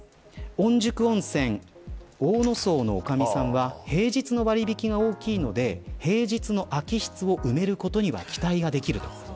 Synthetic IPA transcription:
õ̞ɲ̟d͡ʑɨkɯ̟õ̞ɰ̃sẽ̞ŋoːno̞so̞ːno̞ːkamʲisãɰ̃βahe̞ːʑit͡sɨno̞βaɾʲibʲikʲiɡaoːkʲiːno̞d̪e̞he̞ːʑit͡sɨno̞ʔakʲiɕi̥t͡sɨo̞ʔɯ̟me̞ɾɯ̟ko̞t̪o̞ɲ̟iβa̰kʲi̥t̪aiɡad̪e̞kʲiɾɯ̟t̪o̞̥

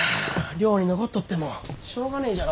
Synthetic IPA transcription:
ɾʲo̞ːɲ̟ino̞kot̪ːot̪ːe̞moɕo̞ːɡanaid͡ʑa

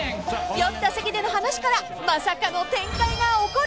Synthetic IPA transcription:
jõt̪t̪ːasekʲid̪e̞no̞ɦanaɕi̥kaɾa | masakano̞t̪ẽ̞ŋkaiɡaoko

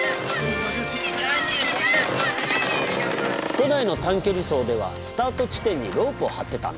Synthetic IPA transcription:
konaino̞t̪ãŋkʲo̞ɾʲiso̞ːd̪e̞βa̰sɨ̥t̪aːt̪o̞t͡ɕi̥t̪ẽ̞ɲ̟ːiɾo̞ːpɯ̟ohat̪ːe̞t̪ã̰

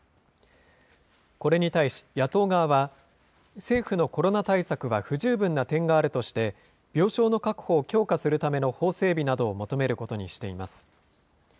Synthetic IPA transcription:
ko̞ɾe̞ɲ̟it̪aiɕi̥jat̪o̞ːɡaːβa | se̞ːɸɯno̞ko̞ɾo̞nat̪aisakɯ̟βaɸɯ̟ʑɨːbɯ̟̃nːat̪ẽ̞ŋɡaːɾɯ̟t̪o̞ɕi̥t̪e̞ | b̥ʲjo̞ːɕo̞ːno̞kakɯ̟̥ho̞ːkʲo̞ːkasɨɾɯ̟t̪ame̞no̞ho̞ːse̞ːbʲinad̪o̞ːmo̞t̪o̞me̞ɾɯ̟ko̞t̪o̞ɲ̟iɕi̥t̪e̞imasɨ̥

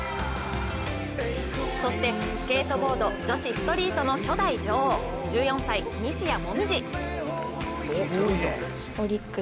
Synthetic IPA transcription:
so̞ɕi̥t̪e̞ | sɨ̥ke̞ːt̪o̞bo̞ːd̪o̞d͡ʑo̞ɕisɨ̥t̪o̞ɾʲiːt̪o̞no̞ɕo̞d̪aid͡ʑo̞ːhoː | d͡ʑɨːjõ̞sai | mʲiɕijamo̞mʲid͡ʑi | t̪oɾʲikː

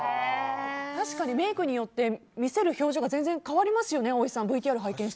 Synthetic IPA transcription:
t̪aɕi̥kaɲ̟ime̞ːkɯ̟ɲ̟ijo̞t̪ːe̞mʲise̞ɾɯ̟ço̞ːʑoɡazẽ̞nd͡zẽ̞ŋkaβaɾʲimasɨjo̞ne̞o̞isãmbɯ̟it̪ʲiaɾɯ̟ɦaikẽ̞ɕit̪

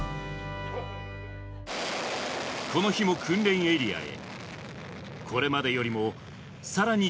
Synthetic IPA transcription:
kʰo̞no̞çimo̞kʰɯ̟̃nɾẽ̞ɰ̃e̞ɾʲia̰e̞̰ | kʰo̞ɾe̞mad̪e̞jo̞ɾʲimo̞ | saɾaɲ̟i

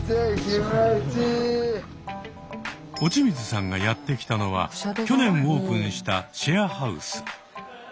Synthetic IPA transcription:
eimet͡ɕi | o̞t͡ɕimʲit͡sɨsãŋɡajat̪ːe̞kʲi̥t̪ano̞β̞a̰o̞nẽ̞ɰ̃o̞ːpɯ̟̃ɰ̃ɕi̥t̪aɕeahaɯ̟̰sɨ̥

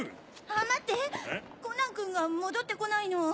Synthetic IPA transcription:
amat̪ːekonãŋkɯ̟̃ŋɡamo̞d̪o̞t̪ːe̞ko̞naino̞

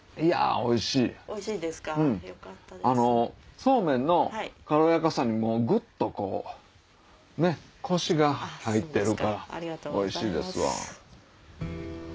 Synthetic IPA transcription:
ija̰o̞iɕiː | ɯ̟̃ɴano̞so̞ːmẽ̞nːo̞kaɾo̞jakasãɲ̟ːimo̞ːɡɯ̟t̪ːo̞ko̞̰ː | ne̞kʰo̞ɕiɡahait̪ːe̞ɾɯ̟kkaɾao̞iɕiːd̪e̞̰sɨβa̰

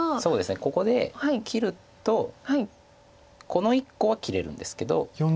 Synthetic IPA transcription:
so̞ːd̪e̞sɨne̞ko̞ko̞d̪e̞̰haikʲʰiɾɯ̟ | t̪o̞hai | ko̞no̞ikːo̞β̞akʲiɾe̞ɾɯ̟̰̃nd̪e̞sɨ̥ke̞d̪o̞̰jo

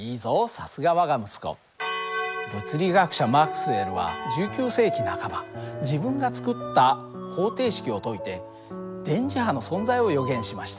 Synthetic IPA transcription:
iːzosasɨɡaβaɡamɯ̟sɨ̥ko̞̰ | ɡo̞t͡sɨɾʲiɡakɯ̟̥ɕamakɯ̥sɨe̞ɾɯ̟βa̰d͡ʑɨːkʲɨːse̞ːkʲinakabad͡ʑibɯ̟̃ŋɡat͡sɨ̥kɯ̟t̪ːa | ho̞ːt̪e̞ːɕi̥kʲio̞t̪o̞it̪e̞ | d̪̥ẽ̞ɲ̟d͡ʑiɦano̞sõ̞nzaio̞jo̞ɡẽ̞ɕimaɕi̥t̪a

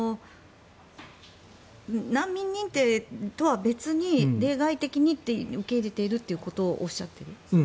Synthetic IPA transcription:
o | nãmːʲĩɲ̟ːĩnt̪e̞ːt̪o̞βabe̞t͡sɨɲ̟iɾe̞ːɡait̪e̞kʲiɲ̟it̪ːeɯ̟ke̞iɾe̞t̪e̞iɾɯ̟t̪ːe̞iɯ̟ko̞t̪o̞ːʔoɕːat̪ːe̞ɾɯ̟

